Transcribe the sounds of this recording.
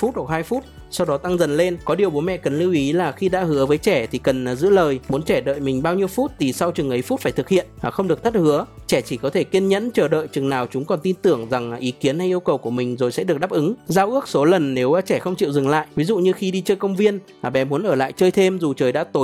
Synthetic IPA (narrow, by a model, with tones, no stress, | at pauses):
fu˦˥t̚ɗ̚haː˧jfu˦˥t̚ | sa˧wɗɔ˨˦t̪a˧ŋzə˨˩nle˧nkɔ˨˦ɗi˨˩əwɓo˨˦mɛ̰˧˨kə˨˩nli˧wʔi˨˦laː˨˩xi˧ɗa̰ː˧˥hɨ˨˦əvəː˨˦jt͡ɕɛ˧˩t̪ʰi˨˩kə˨˩nː˨˩zɨ̰˧˥ləː˨˩jmu˨˦nt͡ɕɛ˧˩ɗə̰ː˧˨jmï˨˩ŋ̟ɓaː˧wɲi˧əwfu˦˥t̚t̪ʰi˨˩sa˧wt͡ɕɨ˨˩ŋʔə˨˦jfu˦˥faː˧˩jt̪ʰɨ˨˩k̚hḭ˧˨ənaː˨˩xə˧wŋ͡mɗɨ˨˩ək̚t̪ʰə˦˥t̚hɨ˨˦ət͡ɕɛ˧˩t͡ɕi˧˩kɔ˨˦t̪ʰe˧˩ki˧ənɲə̰˧˥nt͡ɕəː˨˩ɗə̰ː˧˨jt͡ɕɨ˨˩ŋnaː˨˩wt͡ɕʊ˨˦ŋ͡mkɔ˨˩nt̪i˧nt̪ɨ˧˩əŋza˨˩ŋʔi˨˦ki˨˦ənha˧jʔi˧əwkə˨˩wku˧˩əmï˨˩ŋ̟zo˨˩jsɛ̰˧˥ɗɨ˨˩əa˦˥p̚ʔɨ˨˦ŋzaː˧wʔɨ˦˥ək̚so˨˦lə˨˩nːe˨˦wt͡ɕɛ˧˩xə˧wŋ͡mt͡ɕḭ˧˨wzɨ˨˩ŋla̰ː˧˨jʔvi˨˦zṵ˧˨ɲɨ˧xi˧ɗi˧t͡ɕəː˧jkə˧wŋ͡mvi˧ənː˨˩ | ɓɛ˨˩˦mu˨˦ənʔəː˧˩la̰ː˧˨jt͡ɕəː˧jt̪ʰe˧mzu˨˩t͡ɕəː˨˩jɗa̰ː˧˥t̪o˨˦